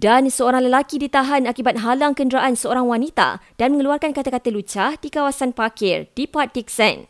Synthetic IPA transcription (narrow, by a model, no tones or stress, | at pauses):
d̥ansəoɾaŋləlakidit̪aɦanakibat̪̚ɦalaŋkəndɾaʔansəoɾaŋwanit̪a̰d̥anməŋəluarkankat̪akat̪əlut͡ʃahdikawasanpakɪrdipat̪ik̚sɛ̰n